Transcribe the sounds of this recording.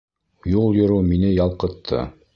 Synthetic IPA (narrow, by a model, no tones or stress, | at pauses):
julˠjŏɾuminɘjɑlˠqɤ̆t̪ʰːɤ̰